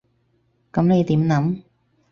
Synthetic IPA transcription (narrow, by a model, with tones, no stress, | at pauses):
kɐ˨˥mne˨˧jt̪iː˨˥mnɐ˨˥m